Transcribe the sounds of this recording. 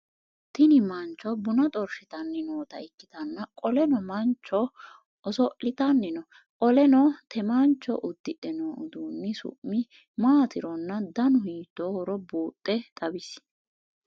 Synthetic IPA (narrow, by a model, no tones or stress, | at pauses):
t̪ɪnɪmɐnt͡ʃːɔbʊnɐt̪ʼɔɾʃɪt̪ɐnːɪnoːt̪ɐɪkːɪt̪ɐnːɐkʼɔlɛnɔmɐnt͡ʃːɔ | ɔsɔʔɪt̪ɐnːɪnɔ | kʼɔlɛnɔt̪ʰɛmant͡ʃːɔ̰ʔʊd̪ːɪʔɛnoːʊd̪uːnːɪsʊ̰ʔmːɪ | maːt̪ʰɪɾɔnːɐd̪ɐnʊhiːt̪ːoːhɔɾɔbuːt̪ʼːɛt̪ʼɐbɪs